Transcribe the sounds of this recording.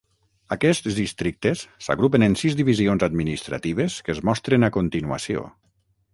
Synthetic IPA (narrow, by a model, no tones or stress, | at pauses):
akɛszðist̪ɾik̚t̪esːa̰ɣɾupenensizðd̪iβizionzad̪minist̪ɾa̰t̪iβ̞eskəzmɔst̪ɾenakont̪inua̰sio̰